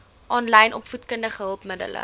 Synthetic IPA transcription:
ʔɑːnlɛjnʔɔpfutkəndəχəɦəlˠpmədə̰lə̰

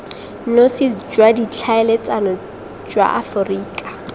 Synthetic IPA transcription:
nosɪd͡ʒwadit͡ɬʰaɛlet͡sʼanɔ | d͡ʒwa̰ʔafʊriːkʼḁ

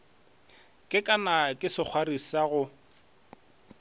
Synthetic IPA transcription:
kʼɪkʼanakʼɪsɪk͡xʰwarisaɣʊ

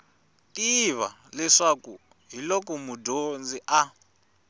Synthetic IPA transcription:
tʼiβalɛʂaku | ɦilɔkɔmudond͡ziʔa

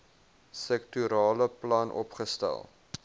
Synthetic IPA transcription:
sɛk̚tyɾɑːləplɐnʔɔ̰pχəstæ̰lˠ

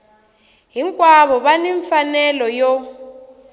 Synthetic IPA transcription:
ɦiŋkʼwaβɔβaniɱfanɛlɔjɔ

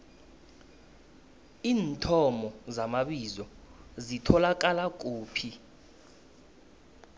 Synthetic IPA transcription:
iːntʰɔmɔzamaɓizɔzitʰɔlak̬ʼalak̬uːpʰi

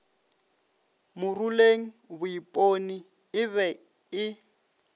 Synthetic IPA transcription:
mʊruleŋ̩βʊipʼoni | ɪβɛ | ɪ

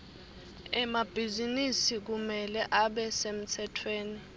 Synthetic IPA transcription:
ɛmab̥ʱizinisik̬umɛlɛʔaɓɛsem̩tʰɛtʰweːni

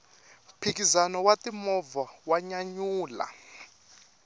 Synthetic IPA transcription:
pʰik̬izanɔwatimɔvawaɲaɲuːla̰

